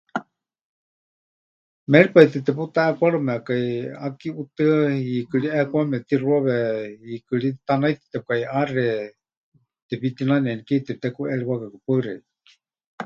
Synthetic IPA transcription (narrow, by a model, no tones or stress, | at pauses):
mɛɺipait̪et̪ɛput̪aɛkʷaɺumɛakaiakiut̪ɨikɨɺiɛkʷamɛt̪iruaβɛikɨɺit̪anajt̪i̥t̪ɛp̚kaiarɛ | t̪ɛpit̪inanɛnikiit̪ɛp̚t̪ɛkuɛɺiwakakɨpaɨrɛi